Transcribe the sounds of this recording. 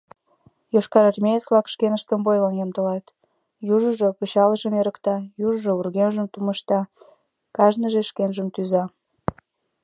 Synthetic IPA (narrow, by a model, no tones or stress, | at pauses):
joʃkɑɾərmejet͡slɑkʃkenəʃt̪əmbojlənjɑmt̪əlɑt̪ | juʒəʒopəɕɑləʒəmeɾəkt̪ɑjuʒəʒourɣenʒəmt̪uməʃt̪ɑ | kɑʒnəʒeʃkenʒəmt̪yzɑ